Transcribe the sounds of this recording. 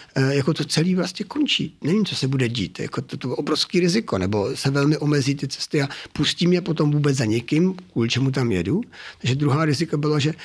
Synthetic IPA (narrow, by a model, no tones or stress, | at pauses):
jako̞t̪o̞t͡sɛliːvlast̪ɲɛkont͡ʃḭt̪nɛviːmt͡sosɛbudɛɟḭːt̪ja̰kot̪ot̪oʔobɾofskiːɾɪzɪko̞nɛbo̞sɛvɛlmɪʔo̞mɛziːt̪ɪt͡sɛ̥st̪ɪapusciːmɲɛpot̪o̞mvuːbɛd͡zzaɲɛkɪmkvuːlɪt͡ʃɛmut̪̬amjɛ̰dut̪aɡʒɛd̪ɾuɦaːɾɪzɪkobɪlaʒɛ